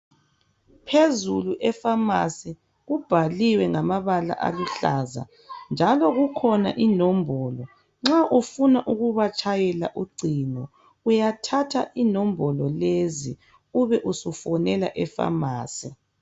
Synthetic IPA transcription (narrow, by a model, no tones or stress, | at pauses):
pʰezuluʔɛfama̰si | ɣub̥ʱaliwɛŋamaβala̰ʔa̰luɬaza̰ | nd͡ʒʱalɔɣukʰɔna̰ʔinɔmbʱɔlɔ | ŋ͡ǁaʔufunaʔuɣuβat͡ʃʼajɛla̰ʔuɡ͡ǀʱinɔ | ujatʰatʰa̰ʔinɔmbʱɔlɔlezi | uβɛʔusufɔnɛla̰ʔɛfa̰maːsi